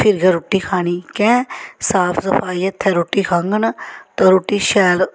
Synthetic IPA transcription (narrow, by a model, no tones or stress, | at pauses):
pʰɪɾɡɐɾʊʈːiːkʰaːñiːkɛ̃ːsaːpʰsəfʰaːiːɐt̪ʰːɛːɾoʈːiːkʰaŋɡənt̪ɐɾoʈːiːʃɛːl